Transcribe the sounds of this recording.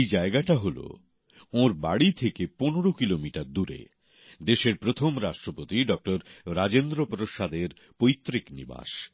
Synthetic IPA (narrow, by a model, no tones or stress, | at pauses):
jd͡ʑaeɡaʈaɦolo̰ | oɾbaɽit̪ʰekeponoɽokilomiʈaɾd̪uɾḛ | d̪eʃeɾpɾot̪ʰomɾaʃʈɾopot̪iɖɔk̚ʈoɾɾad͡ʑend̪ɾopoɾoʃad̪eɾ | pojt̪ːɾiknḭba̰ʃ